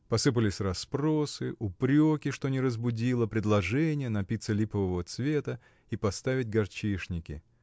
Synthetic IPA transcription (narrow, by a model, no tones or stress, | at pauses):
pɐsɨp̬əlʲɪsʲrɐspɾo̞sɨʔʊpɾʲokʲɪʂt̪onʲɪɾəzbʊdʲilˠəpɾʲɪd̪lˠɐʐɛnʲɪjənɐpʲit̪səlʲipəvəvət̪svʲe̞t̪ə | ipɐst̪avʲɪt̚ʲɡɐrt͡ɕiʂnʲɪkʲɪ̰